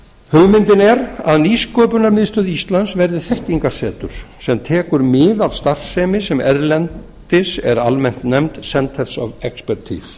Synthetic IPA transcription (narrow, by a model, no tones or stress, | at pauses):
hʏɣmɪnt̪ɪnɛɾa̰ðniskɔːpʏnaɾmɪðst̪œːðist̪lansvɛɾðɪθɛhciŋkḁsɛːt̪ʏ̰ɾ̥sɛmt̪ʰɛːkʏɾmɪðaðst̪ar̥ssɛːmɪsɛmɛɾlɛn | t̪ɪsɛ̰ɾalmɛn̥t̪nɛmt̪sɛnt̪ʰɛɾsɔvɛkspɛɾt̪ʰḭs